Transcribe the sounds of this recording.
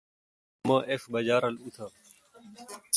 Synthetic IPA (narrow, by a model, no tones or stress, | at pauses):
mãːʔeːfɓəd͡ʒaːɾəluːt̪ʰaː